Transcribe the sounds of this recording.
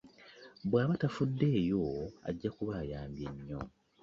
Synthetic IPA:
βwaːβatafudːe̞ːjo̞a̰ɟːakuβaːjaːmbjeɲːo̞̰

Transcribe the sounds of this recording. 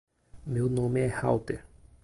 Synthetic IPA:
mewnõmeɛha̰wt̪eɾ

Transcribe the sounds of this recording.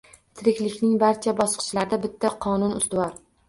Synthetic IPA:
t̪ʰɪɾɪkʲlɪkʲnɪŋbaɾt͡ʃʰabɒsqʰɨ̥ʃlaɾd̪abɪt̪ʰːaqʰɒnʊnʊ̰st̪ʊwɒɾ

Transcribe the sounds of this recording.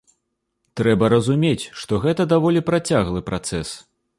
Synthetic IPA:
t̪ɾɛbɐɾɐzumʲet͡sʲʂt̪ɔɣɛt̪ɐd̪avɔlʲipɾat͡sʲaɣlˠɨpɾat̪sɛs

